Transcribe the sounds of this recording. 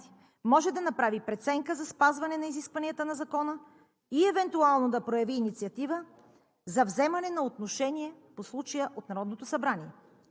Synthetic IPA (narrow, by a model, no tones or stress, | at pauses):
i̥ | mɔʒɛd̪ɐnɐpɾavipɾɛt̪sɛŋkəzɐspazvɐnɛnɐiziskvɐniət̪ənɐzɐkɔnə | iɛvɛnt̪ualˠnod̪ɐpɾojɐviːnit̪siɐt̪ivə | zɐvzɛmɐnɛnɐot̪noʃɛniɛposlˠut͡ʃɐjəʔot̪nɐɾɔd̪not̪osɐbɾaniɛ